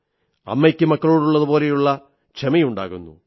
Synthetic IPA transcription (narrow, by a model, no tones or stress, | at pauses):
ɐ̰mːekʲːɨmɐkːɐɭuːɽuɭːɐðuboːle̞juɭːɐ | t͡ʃʰemɐjuɳɖa̰ːɣunːṵ